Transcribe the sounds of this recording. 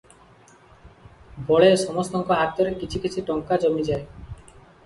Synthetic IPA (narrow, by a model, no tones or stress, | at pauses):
bʱɔɭesɔmɔst̪ɔŋkɔɦat̪ɔɾekit͡ʃʰikit͡ʃʰiʈɔŋkad͡ʒɔmid͡ʒae